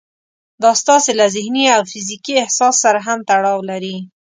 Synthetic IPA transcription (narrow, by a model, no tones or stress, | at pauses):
d̪ɑst̪ɑselazɪhniawfɪzikiɪhsɑsːaɾaɦamt̪aɽɑwlaɾi